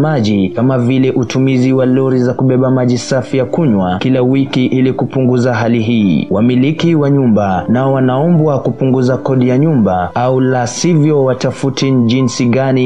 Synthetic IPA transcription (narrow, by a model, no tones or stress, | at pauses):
maʄikamavilɛʔutumiziwaluɾizakuɓɛɓamaʄisafijakuɲwakilawikiʔilikupuŋɡuzaɦaliɦḭːwʔamilikiwaɲumbanaɔwanaɔmbwakupuŋɡuzakɔɗijaɲumbaaulasivjɔwatafutiʄinsiɠani